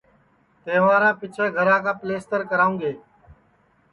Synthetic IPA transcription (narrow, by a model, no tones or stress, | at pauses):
t̪eːʋãːɾãːpɪt͡ʃʰẽːɡʱəɾãːkãːpleːst̪əɾkəɾaːũːɡeː